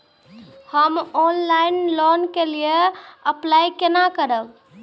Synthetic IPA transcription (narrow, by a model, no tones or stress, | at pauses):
həmɔnlainlɔnkelieəplajkenakəɾəb